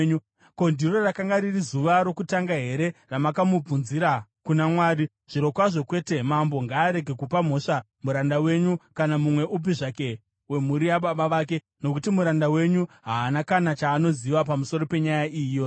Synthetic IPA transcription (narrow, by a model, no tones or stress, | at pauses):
ɲu | ko̞ndiro̞rakaŋɡaɾirizuʋaɾo̞kutaŋɡaɦe̞ɾe̞ramakamub͡vunziɾakunamwaːɾi | ʐ̥iɾo̞kwaʐo̞kwe̞ːte̞mambo̞ŋɡaːɾe̞ɡʱe̞kupamo̞ʂa | muɾandawe̞ɲukanamumwe̞ʔupiʐake̞ | we̞muɾijaɓaɓaʋak̬e̞ | no̞kutimuɾandawe̞ɲuɦaːnakanat͡ʃaːno̞ziʋapamuso̞ɾo̞pe̞ɲajaʔiːjo̞